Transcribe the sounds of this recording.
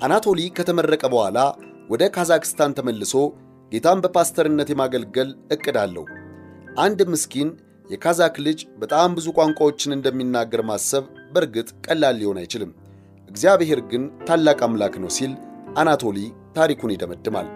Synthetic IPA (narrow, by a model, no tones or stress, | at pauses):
ʔanat̪ʰo̞likʰət̪ʰəmərːəkʼəbəhʷala | wɔd̪əkʰazakɨ̥st̪ʰant̪ʰəməlːɨso̞ | ɡ̥e̞t̪ʰambəpast̪ʰəɾɨnːət̪jɛmaɡəlɡəlɨkʼːɨd̪alːə̰hu | ʔand̪mɨskʰin | jɛkʰazaklɨd͡ʒbət̪ʼambɨzukʷʼaŋkʷʼawo̞t͡ʃːɪnɨnd̪əmːinːaɡːəɾmasəβbəɾɡɨt̪ʼkʼəlːalːɪho̞na̰jt͡ʃɪlɨmː | ʔɨɡzijaβehe̞ɾɡɨnt̪ʰalːakʼamlaknəwsilʔanat̪ʰo̞lit̪ʰaɾikunɛd̪əməd̪ːɨma̰l